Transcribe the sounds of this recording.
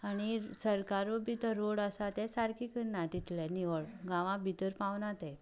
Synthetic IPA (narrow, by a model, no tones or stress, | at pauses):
añisəɾkaɾobʱit̪əɾːoɽəsat̪ɛsaɾkikənːat̪it̪lɛ̃niʋəɭɡãʋãbʱit̪əɾpaʋnat̪ɛ